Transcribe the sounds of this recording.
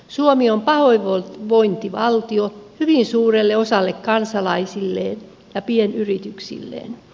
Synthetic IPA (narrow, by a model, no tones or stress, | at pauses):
suomiompɑhoiʋolʋoint̪iʋɑlt̪iohyʋinsuːrelːeosɑlːekkɑnsɑlɑisilːḛːn | jɑpienyrit̪yksḭlːḛːn